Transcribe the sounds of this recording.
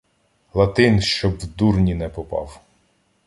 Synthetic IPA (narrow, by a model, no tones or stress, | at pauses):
lˠɐt̪ɪnʃt͡ʃɔbwd̪urnʲinɛpɔpɑ̰w